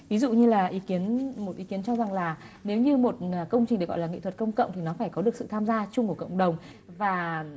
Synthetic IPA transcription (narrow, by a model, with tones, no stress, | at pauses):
vi˨˦zṵ˧˨ɲɨ˧laː˨˩ʔi˨˦ki˨˦ənmo˨˩t̚ʔi˨˦ki˨˦ənt͡ɕɔ˧za˨˩ŋlaː˨˩ne˨˦wɲɨ˧mo˨˩t̚ːkə˧wŋ͡mt͡ɕï˨˩ŋ̟ɨ˨˩k̚ɔ̰˧˨lːŋḭ˧˨t̪ʰə˨˩t̚kə˧wŋ͡mkə̰˧˨wŋ͡mt̪ʰi˨˩nɔ˨˦faː˧˩jkɔ˨˦ɗɨ˨˩ək̚sɨ̰˧˨t̪ʰaː˧mzaː˧t͡ɕʊ˧ŋ͡mku˧˩əkə̰˧˨wŋ͡mɗə˨˩wŋ͡m | vaː˨˩